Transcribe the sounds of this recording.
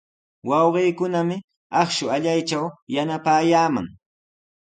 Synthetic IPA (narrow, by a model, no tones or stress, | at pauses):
wɑwɢiːkʊnamɪ | ɑχʃʊaʎajt͡ʃawjanapaːjaːma̰ŋ